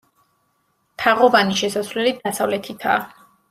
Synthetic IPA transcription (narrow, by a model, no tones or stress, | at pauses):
t̪ʰaʁɔvaniʃɛsasvlɛlid̪asavlɛt̪ʰit̪ʰa̰ː